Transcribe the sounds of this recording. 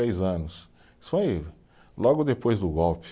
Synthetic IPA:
ɾejzɐ̃nʊs | sfoj | lɔɡʊd̪epojzd̪ʊɡɔwpɪ̥

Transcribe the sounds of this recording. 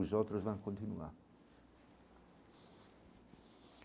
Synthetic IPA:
uzalt̪ɾozvaŋkont̪inṵa̰

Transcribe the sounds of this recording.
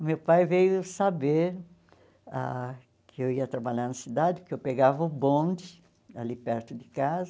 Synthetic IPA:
mewpajvejʊsabeɾ | a̰ | kʰɪewiɐt̪ɾabaʎaɾnɐsid̪ad̪ɪpʊkewpeɡavɐʊbõnd͡ʒɪ | a̰lipɛɾt̪ʊd̪ɪkazɐ

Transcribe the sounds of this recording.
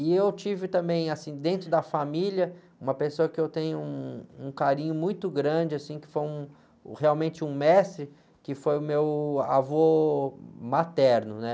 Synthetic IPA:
ɪewt͡ʃivɪt̪ɐ̃mbẽj̃asĩd̪ẽnt̪ɾʊd̪ɐfamilɐ | ũmɐpesoɐkɪewt̪ẽjɲʊũũkaɾĩɲʊmũj̃t̪ʊɡɾɐ̃d͡ʒɪasĩkɪ̥fojũ | heawmẽnt͡ʃɪũmɛst̪ɾɪ | kɪfojʊmewa̰vɔ | mat̪ɛɾnʊnɛ

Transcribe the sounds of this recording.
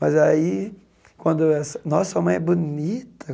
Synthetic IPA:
mɐzai | kwɐ̃nd̪ʊɛsɐnɔsɐamɐ̃j̃ɛbunit̪ɐ

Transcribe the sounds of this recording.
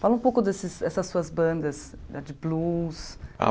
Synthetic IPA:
falɐũpowkʊd̪esɪsd̪ɛsɐsːuɐzbɐ̃nd̪ɐs | d̪ad͡ʒɪblusa̰

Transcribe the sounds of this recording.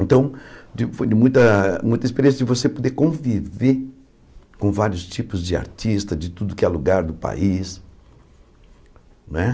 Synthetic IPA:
ẽnt̪ɐ̃w̃d͡ʒɪfod͡ʒɪmũj̃t̪ɐmũj̃t̪ɐispeɾẽs̬ɐd͡ʒɪvosepod̪ekõvive | kõvaɾjʊst͡ʃipʊzd͡ʒɪa̰ɾt͡ʃist̪ɐd͡ʒɪt̪ud̪ʊkɪɛluɡaɾd̪ʊpa̰is | ñɛ

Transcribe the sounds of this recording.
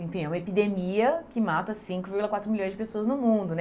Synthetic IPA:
ẽfĩɛũmɐepid̪emiɐkɪmat̪ɐsĩŋkʊviɾɡulɐkwat̪ɾʊmilʎõjzd͡ʒɪpesoɐznʊmũd̪ʊnɛ

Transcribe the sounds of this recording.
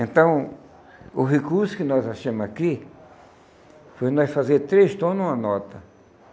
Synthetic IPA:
ẽnt̪ɐ̃w̃ | ʊɦekuɾsʊ̥kɪnɔzaʃẽmʊzaki | fojnɔjfazeɾt̪ɾest̪õnũɐnɔt̪ɐ

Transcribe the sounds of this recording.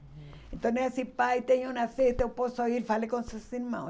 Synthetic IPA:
ent̪oneasipait̪eɲounafet̪eoposoiɾfalekonsesinma

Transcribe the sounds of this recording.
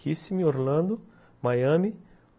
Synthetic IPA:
isimioɾlɐ̃nd̪ʊ | majɐ̃mi

